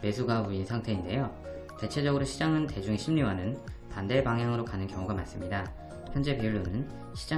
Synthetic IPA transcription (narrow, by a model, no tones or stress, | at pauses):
me̞sʰuɡauinsʰaŋtʰe̞inde̞jo | te̞t͡ɕʰe̞d͡ʑʌɡɯɾoɕʰid͡ʑaŋɯnte̞d͡ʑuŋeɕʰimɲiwanɯnpande̞baŋɦjaŋɯɾokanɯnkjʌŋuɡamas͈ɯmɲida | çjʌnd͡ʑe̞piuɭːonɯn | ɕʰid͡ʑa